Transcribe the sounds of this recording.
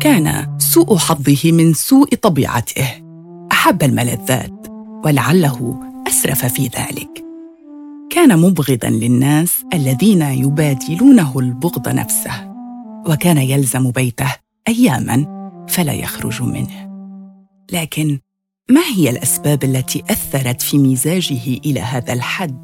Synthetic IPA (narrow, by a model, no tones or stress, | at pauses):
kaːna̰suːʔħɑd̪ˤːɨhɪmɪnsuːʔt̪ˤɑbḭːʕa̰t̪ʰɪh | ʔaħabːalmala̰ðːa̰ːt̪walaʕalːaɦʊʔasɾˤɑfafiːða̰ːlɪ̰k | kaːnamʊbɣɪd̪a̰nlɪnːaːsʔalːaðiːnajʊbaːd̪ɪluːnaɦʊlbʊɣd̪ˤɑ̰nʔa̰fsahwakaːnajalzambajt̪ah | ʔajːaːma̰nfala̰ːja̰xɾʊ̰ʒmɪ̰nh | laːkɪn | mahɪjalʔasbaːbʔalːat̪iːʔaθːɑɾˤɑt̪fiːmiːzaːd͡ʒɪhɪʔɪla̰ːɦaːðalħad̪ː